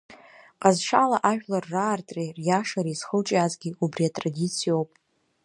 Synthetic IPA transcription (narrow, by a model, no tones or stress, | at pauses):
qʼazʂalaʔaʒᶣlarːaːrtʼrerjaʂaɾiz̥χəlʈ͡ʂʼazɡʲiubriatʼradit͡sʰijowpʼ